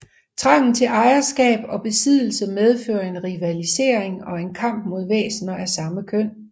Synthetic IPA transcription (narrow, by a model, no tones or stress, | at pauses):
t͡sʰʁɑŋ̰n̩t͡sʰe̝lʔɑ̈ɪɐsɡ̥ɛ̰ːb̥ɒ̽b̥e̝sið̰ˠl̩səmeð̞ˠfø̰ːɐe̝nʁiʋælise̝̰ːɐeŋɒ̽e̝nkʰɑ̈m̰b̥mo̝ð̞ˠʋḛːsnɐæsɑ̈məkʰøn̰